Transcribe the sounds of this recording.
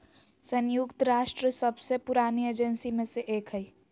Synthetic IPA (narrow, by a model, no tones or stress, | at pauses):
sənjukt̪ɾaːʃʈɾəsəbsepʊɾaːnieːd͡ʒənsimẽseʔeːkɦəi